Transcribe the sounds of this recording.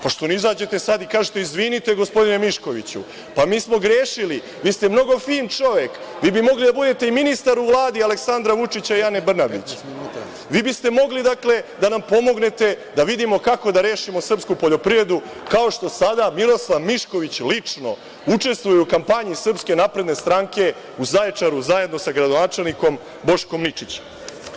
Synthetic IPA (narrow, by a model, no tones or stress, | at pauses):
paʃt̪o̞nizaːd͡ʑe̞t̪e̞sad̪ikaːʒet̪eizʋinit̪eɡo̞spo̞d̪inemiʃko̞ʋḭt͡ɕṵ | pamiːsmo̞ɡɾjeːʃili | ʋiːst̪e̞mno̞ɡo̞fiːnt͡ʂo̞ʋe̞kʋiːbimo̞ɡlid̪abud̪et̪e̞iminist̪aɾuʋlˠaːd̪iale̞ksand̪ɾaʋut͡ʂit͡ɕaijanebr̩nabḭt͡ɕ | ʋiːbist̪e̞mo̞ɡlid̪akle̞d̪anampo̞mo̞ɡne̞t̪e̞d̪aʋid̪imo̞kako̞d̪aɾe̞ːʃimo̞sr̩pskupo̞ʎo̞pɾiʋɾed̪u | kao̞ʂt̪o̞sad̪amiɾo̞slˠaʋmiʃko̞ʋit͡ɕlit͡ʂno̞̰ | ut͡ʂe̞st̪ʋujeukampaɲisr̩pske̞napɾe̞d̪ne̞st̪ɾaŋke̞ | uzaet͡ʂaɾuzaje̞d̪no̞saɡɾad̪onaːt͡ʂe̞lˠniko̞m | bo̞ʃko̞mnit͡ʂit͡ɕe̥m